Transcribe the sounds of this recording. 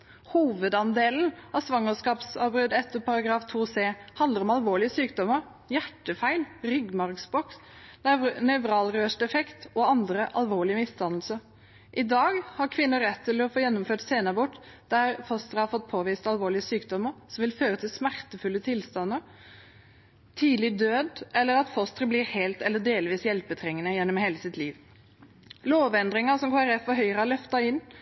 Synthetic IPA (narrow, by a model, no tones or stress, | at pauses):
huːʋəd̪ɑnd̪eːln̩ɑsʋɑŋːəskɑːpsɑːbɾʏd̪ɛt̪ːəpʰɑɾɑɡɾɑːft̪ʰuːseːhɑnd̪əɾɔmɑlʋoːɭɪəsyːkd̪ɔməɾ | jæʈːəfæɪlɾʏɡmɑɾksbɔks | nœʋɾɑːlɾøːʂʈɛfɛkt̪ɔɑnd̪ɾəʔɑ̰lʋoːɭɪəmɪst̪ʰɑnəlsə | ʔɪd̪ɑːɡhɑɾkʰʋɪnːəɾɛt̪ʰːɪlɔfoːjɛnːɔmføːʈseːnəʁbʊʈ | d̪̥æɾfɔst̪ɾəhɑɾfɔt̪̚ːpʰoːʋiːst̪ɑlʋoːɭɪəsyːkd̪ɔmːəɾsɔmʋɪlføːɾət̪ʰɪlsmæɾt̪əfʉlːət̪ʰɪlst̪ɑnːəɾ | t̪ʰiːd̪lɪd̪øːd̪ɛlːəɾɑt̪fɔst̪ɾəblɪɾheːlt̪ɛlːəɖeːlʋiːsjɛlpət̪ʰɾɛŋːənəjɛnːɔmheːləsɪt̪ʰliːʋ | loːʋɛnd̪ɾɪŋɑsɔmkʰoːɛɾɛfːɔɦœʏɾəhɑlœft̪ɑɪnː